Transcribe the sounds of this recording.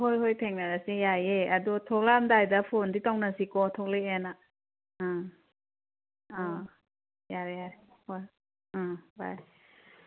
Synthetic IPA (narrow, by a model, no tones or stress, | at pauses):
ɦojɦojtʰeŋnaɾasijajeadɔtʰɔk̚lamdajdapʰonditawnasikɔtʰɔkleena | a | jaɾjaɾhoj | ba̰j